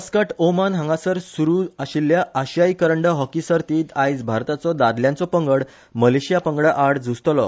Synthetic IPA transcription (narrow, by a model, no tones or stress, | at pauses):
əskəʈʰomanɦãŋɡasəɾsuɾuːaɕilːjaːɕjaikəɾəɳɖəɦɔkisəɾt̪iːt̪ʰajd͡zbʱaɾt̪at͡sɔd̪ad̪ljãnt͡sɔpəŋɡəɽ | məleɕijapəŋɡɽəʔaɽd͡zʱust̪lɔ